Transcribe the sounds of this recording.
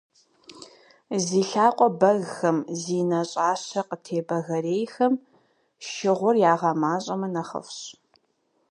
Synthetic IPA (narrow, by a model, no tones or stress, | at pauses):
ziːɬaːqʷʼɔbɐɣxɐmziːnɐɕʼaːɕɐqətʰeːbɐɣɐreːjxɐm | ʃɪʁʷʊrjaːʁɐmaːɕʼɐmɐnɐχɐ̰fɕ